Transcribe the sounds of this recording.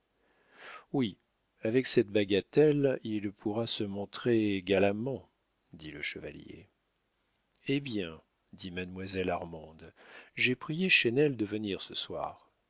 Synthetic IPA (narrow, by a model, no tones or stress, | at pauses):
wi | avɛksɛt̪baɡat̪ɛlilpʰuʁasəmɔ̃t̪χeɡalamɑ̃ | d̪iləʃəva̰ljḛ | ebjɛ̃ | d̪imad̪mwazɛlaʁmɑ̃d̪ʒɛpχijeʃenɛld̪əvəniʁsəswa̰ːʁ